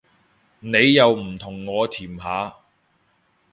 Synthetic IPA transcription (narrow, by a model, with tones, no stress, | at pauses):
ne˨˧jːɐ˨˧wm̩˨˩t̪ʰʊ˨˩ŋːɔː˨˧t̪ʰiː˨˩mɦaː˨˧˥